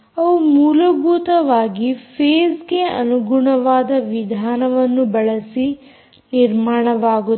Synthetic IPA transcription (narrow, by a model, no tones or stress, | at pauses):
ɐʋumuːlɐbuːt̪ɐʋaːɡipʰeːzɡeɐ̰nuɡuɳɐʋaːd̪ɐʋid̪ʱaːnɐʋɐnːubɐɭɐsi | niɾmaːɳɐʋaːɡu